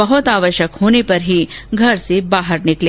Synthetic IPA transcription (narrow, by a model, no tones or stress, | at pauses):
əɦʊt̪aʋəʃjəkhoñepəɾɦiɡʱəɾsebaɦəɾnɪkle